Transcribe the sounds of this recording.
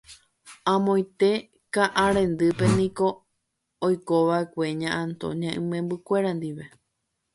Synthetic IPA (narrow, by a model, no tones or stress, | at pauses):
ãmõj̃t̪e̞ | kaʔaɾẽ̞nd̪ɨpe̞nĩko̞ː | jkoʋaekʷe̞ɲãʔãnt̪o̰ɲãʔɨ̃mẽmbɨkʷe̞ɾand̪iʋe̞